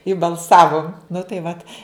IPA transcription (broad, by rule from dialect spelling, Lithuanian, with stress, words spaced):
ɪ bɐlˠˈsɑːʋʊm nʊ tɐɪ ʋɐt